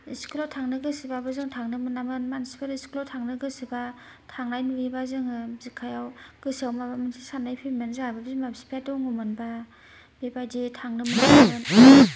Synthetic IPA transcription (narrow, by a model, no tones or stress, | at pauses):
iskulatʰaŋnɯɡɯsibabɯzɯŋtʰaŋnɯmɯnamɯnmansi̥pʰaɾiskulatʰaŋnɯɡɯsiba | tʰaŋnajnubibazɯŋɯzikʰajawɡ̥ɯsiawmabamɯnsʰisanːajpʰimanzɯŋajbabzɯŋmabsi̥pʰatɯwŋumɯnba | bebajditʰaŋnɯmɯnamɯn